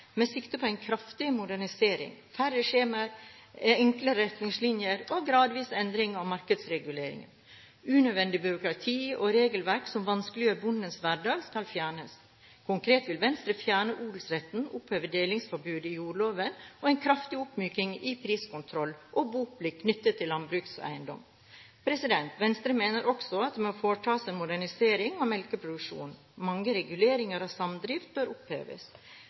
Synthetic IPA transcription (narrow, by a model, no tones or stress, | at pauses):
mɛsɪkt̪əpʰɔæɪnkʰɾɑft̪ɪmʊd̪æɳɪseːɾɪ̰ŋfæɾəʂeːməɾ | ɛŋkləɾɛt̪nɪŋslɪnjəɾɔɡɾɑːd̪ʋiːsɛnd̪ɾɪŋɑʋmɑɾkəd̪sɾɛɡʉleːɾɪ̰ŋə̰n | ʉnød̪ʋɛnd̪ɪbʏɾʊkɾɑt̪ʰiːɔɾeːɡəlʋæɾksɔmʋɑnsklɪøːɾbʊnd̪ənsʋæɖɑːɡskɑlfjæːɳəs | kʰʊŋkʰɾeːt̪ʋɪlʋɛnst̪ɾəfjæːɳəʔuːd̪l̩sɾɛt̪n̩ʊpʰhøːʋəɖ̪eːlɪŋsfɔɾbʉːd̪ɪjuːɭoːʋənɔɛɪnkʰɾɑft̪ɪʊpmyːkɪŋɪpʰɾiːskʊnt̪ʰɾɔlːʔɔbuːblɪkʰnʏt̪ːət̪ʰːɪlːɑnbɾʉːksɔæ̰ɪənd̪ɔ̰m | pʰɾɛsɪd̪ɛnt̪ʋɛnst̪ɾəmeːnəɾʔɔksɔɑt̪̚d̪mɛɔfoːʈʰɑːsɛnmʊd̪æɳɪseːɾɪŋɔmɛlkəpʰɾʊd̪ʉkʂṵːn | mɑŋːəɾɛɡʉleːɾɪŋəɾhɑsɑmd̪ɾiːft̪̚bœɾʊphḛːʋə̰s